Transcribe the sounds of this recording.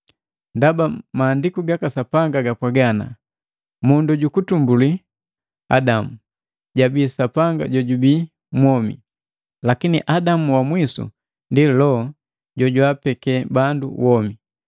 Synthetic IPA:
ndabamaːndikuɡakasapaŋɡaɡapwaɡana̰ | munduɟukutumbuli | a̰damu | ɟabiːsapaŋɡa̰ɟɔɟubiː | mwɔmḭ | lakiniʔadamuwamwisṵ | ndilɔ | ɟɔɟwapɛkɛbandṵwɔmi

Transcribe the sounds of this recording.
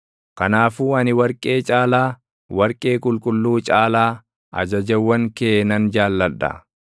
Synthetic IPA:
kɐnaːfuːɐnɪwɐɾkʼe̞ːt͡ʃʼaːlaː | wɐɾkʼe̞ːkʼʊlkʼʊlːuːt͡ʃʼaːlaː | ʔɐ̰d͡ʒɐd͡ʒɐwːɐŋkeːnɐnd͡ʒaːlːɐᶑɐ̰

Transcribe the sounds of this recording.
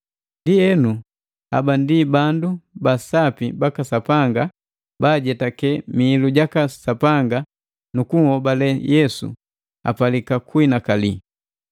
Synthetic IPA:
ndiɛnu | a̰bandibandubasapibakasapaŋɡa | baɟɛtakɛmiːluɟakasapaŋɡa | nukuŋhɔbalɛjɛsṵ | a̰palikakwinakali

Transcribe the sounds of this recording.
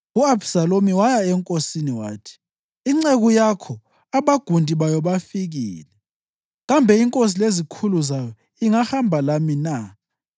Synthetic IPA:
uabsalomiwajaɛŋkʼosiniwa̰ːtʰi̥ | iŋ͡ǀeɣujakʰɔ | aβaɡ̥ʱundʱʼiβajɔβafiɣḭːlɛ | ɣambʱɛiŋkʼos̬ilezikʰuluzajɔ | iŋahambʱalamina

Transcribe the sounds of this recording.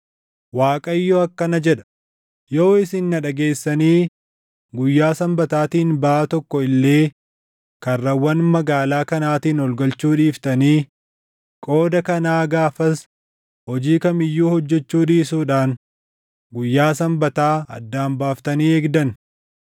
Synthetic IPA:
waːkʼɐɪjːɔɐkːɐnɐd͡ʒɛᶑɐ̥ | jo̞ːɪsɪnːɐᶑɐɡe̞ːsːɐniː | ɡʊjːaːsɐmbɐt̪aːt̪iːnbɐat̪ɔkːɔɪlːe̞ː | kɐrːɐwːɐnmɐɡaːlaːkɐnaːt̪iːnɔlɡɐlt͡ʃːuːᶑiːft̪ɐniː | kʼo̞ːd̪ɐkɐnaːɡaːfɐs | hɔd͡ʒiːkɐmɪjːuːhɔd͡ʒːɛt͡ʃːuːᶑiːsuːᶑaːn | ɡʊjːaːsɐmbɐt̪aːɐ̰d̪ːaːmbaːft̪ɐniːeːɡd̪ɐn

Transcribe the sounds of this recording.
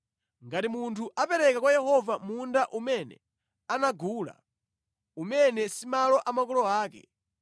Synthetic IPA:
ŋɡatimuntʰuʔapɛɾɛkakwajɛhɔvamundaʔumɛnɛ̰ | anaɡuːla̰ | umɛnɛsimalɔʔamakɔlɔaːkɛ̰

